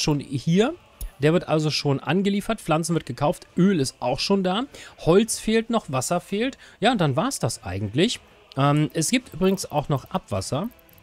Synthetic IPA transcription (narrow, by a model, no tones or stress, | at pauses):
ʃoːnhiːɐ | d̥eːɐvɪɐtʔa̰lzoʃoːnʔa̰nɡəliːfɐtflant͡sn̩vɪɐt̚ɡ̥əkʰaʊftʔøːlɪstʔaʊxʃoːndaːhɔlt͡sfeːltnɔχv̥asɐfeːltjaːʊnt̚d̥anvaːɐsd̥asʔa̰ɪɡŋ̩tlɪç | ʔɛːmʔɛsɡ̥iːp̚tʔyːbʁɪɡŋ̩sa̰ʊxnɔχʔapv̥a̰sɐ